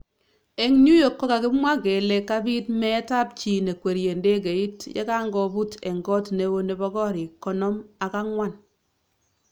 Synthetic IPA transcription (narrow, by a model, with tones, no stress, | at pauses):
e˦˨ŋɲu˦jo˨kːo˦ka˨kɪ˦pmwa˦ke˨le˦kːa˦bi˦tmɛ˦ta˦p̚t͡ʃi˨ne˨kwe˨ɾje˨nde˦k̬e˨i˦tjḛ˦ka˦ŋɡɔ˨bu˦te˨ŋɡɔ˦tne˨wo˦ne˨bɔ˦kɔ˦ɾi˨kːɔ˦nɔ˦ma˨ka˦ŋwa˦n